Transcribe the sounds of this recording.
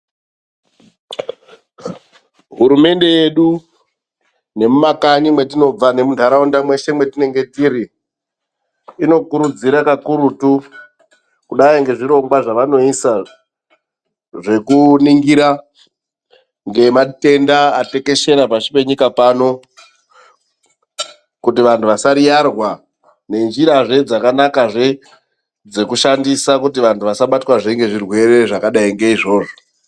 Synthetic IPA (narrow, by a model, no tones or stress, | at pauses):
ɦuɾume̞nde̞je̞ɗu | ne̞mumakaɲimwe̞t̬ino̞b͡vane̞muntaɾaundamwe̞ʃe̞mwe̞tine̞ŋɡe̞tiɾi | ino̞kuɾud͡ziɾakakuɾutu | kuɗaiŋɡe̞ʐiɾo̞ŋɡwaʐaʋano̞isa | ʐe̞kuniŋɡiɾa | ŋɡe̞mate̞ndaːte̞ke̞ʃe̞ɾapat͡ʃipe̞ɲikapano̞ | kutiʋantʰuʋasaɾijarwa | ne̞nd͡ʒiɾaʐe̞d͡zakanakaʐe | d͡ze̞kuʃandisakutiʋantʰuʋasaɓatwaʐeŋɡe̞ʐirwe̞ɾe̞ʐakaɗaiŋɡe̞iʐo̞ːʐo